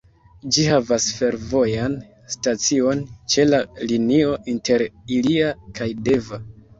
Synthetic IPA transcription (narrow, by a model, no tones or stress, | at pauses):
d͡ʒihavasfe̞ɾvo̞jan | stat͡sio̞nt͡ʃe̞lalinio̞ʔinte̞ɾiliakʰajde̞va